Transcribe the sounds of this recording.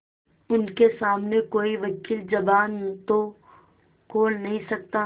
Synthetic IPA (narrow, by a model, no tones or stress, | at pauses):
ʊnkesaːmnekoːiʋɐkiːld͡ʒɐʋaːnt̪o | koːlnɐɦĩsɐk̚t̪aː